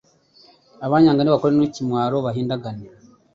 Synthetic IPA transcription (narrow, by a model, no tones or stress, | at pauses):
aβaːɲaːŋɡaniβakoɾenwicimwaːɾo̞βaɦiːndaɡane